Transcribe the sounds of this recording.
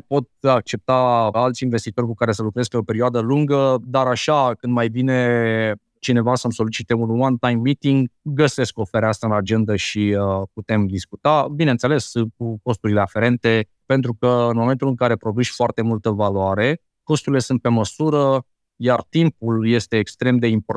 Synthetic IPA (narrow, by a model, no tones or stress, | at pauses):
po̞t̪̚ak̚t͡ʃe̞p̚t̪aalt̪sʲinve̞st̪it̪o̞rʲkukaɾe̞səlukɾe̞z̚peo̞pe̞ɾioad̪əluŋɡəd̪aɾaʃakɨnd̪majbine̞ | t͡ʃine̞vasəmso̞lit͡ʃit̪e̞unwant̪ajmːit̪iŋɡːəse̞skofeɾeast̪aɨnad͡ʒe̞nd̪əʃiəput̪e̞md̪iskut̪abinent̪se̞le̞sk̚uko̞st̪uɾile̞afe̞ɾe̞nt̪e̞ | pe̞nt̪ɾukəɨnmo̞me̞nt̪ulɨŋkaɾe̞pɾo̞d̪uʃʲfoart̪e̞mult̪əvaloaɾe̞ | ko̞st̪uɾile̞sunt̪̚pe̞məsuɾə | jart̪impulje̞st̪e̞ːkst̪ɾe̞md̪e̞impo